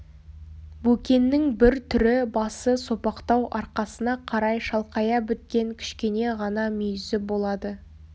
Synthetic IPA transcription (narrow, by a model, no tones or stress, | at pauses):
bɵkʲe̞nːɪŋbɪɾt̪ʰʏɾɪbɑsəso̞pɑqt̪ɑwʔɑɾqɑsənɑqʰɑɾɑjʃɑlˠqɑjɑbɪt̪̚kʲe̞ŋkʲʰʏ̥ʃkʲe̞ne̞ʁɑnɑmʏjɪzɪbo̞lˠɑd̪ə